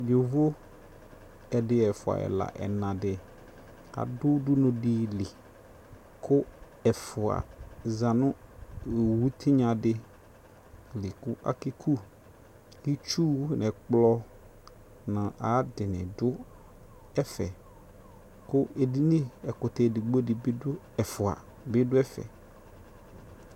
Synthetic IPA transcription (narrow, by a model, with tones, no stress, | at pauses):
jo˨vo˦ | ɛ˨dɪ˦ɛ˨fʊ˨a̰˨ɛ̰˨la̰˨ʔɛ̰˨nã˨dɪ˨ | a̰˨dʊ˦dʊ˦nʊ̃˨di˦lɪ˨ | kʰʊ˦ | ɛ˨fʊ˨a̰˨zã˨nʊ̃˦˨ | wu˦tʰɪ˦ɲã˨dɪ˦ | lɪ˨kʊ˦ʔa̰˦ki˦kʰu˦ | li˦t͡ʃu˦nɛ̃˨k͡plɔ˦ | nã˨ʔa˨˦dɪ˨nɪ̰̃˨dʊ˦ | ɛ˦fɛ˨ | kʊ˦e˨di˦nĩ˦ɛ˨kʊ˨tɛ˨dɪ˨ɡ͡bo˦dɪ˨bɪ˦dʊ˦ | ɛ˨fʊ˨a̰˨ | bɪ˦dʊ˦ɛ˦fɛ̰˨